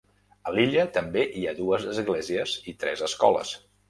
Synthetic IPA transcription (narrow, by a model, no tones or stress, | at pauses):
əliʎət̪əmbeʔiaðuəzəzɣleziəzit̪ɾɛ̰zəskɔlə̰s